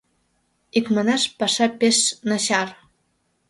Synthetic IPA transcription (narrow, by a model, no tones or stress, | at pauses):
ikmɤ̆nɑʃpɑʃɑpeʃnɤ̆ɕɑr